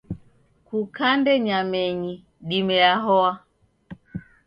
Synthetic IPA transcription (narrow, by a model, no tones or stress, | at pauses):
kukandɛɲamɛɲi | ɗimɛjaɦɔa